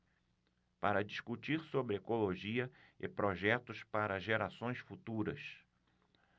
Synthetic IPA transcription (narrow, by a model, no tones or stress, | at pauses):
paɾɐd͡ʒiskut͡ʃiɾsobɾɪɛkoloʒiɐɪ̰pɾoʒɛt̪ʊspaɾɐʒeɾasõj̃sfut̪uɾɐ̰s